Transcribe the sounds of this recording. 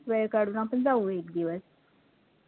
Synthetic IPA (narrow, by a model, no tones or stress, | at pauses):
kʋeɾkaɖunãpəɳd͡zauekd̪iʋəs